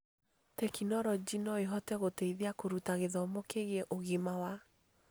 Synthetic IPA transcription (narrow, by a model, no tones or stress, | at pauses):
tɛkinɔɾɔd͡ʒinɔeɦɔtɛɣotɛiðeakoɾutaɣeðɔmokeɣeɛʔoɣimawa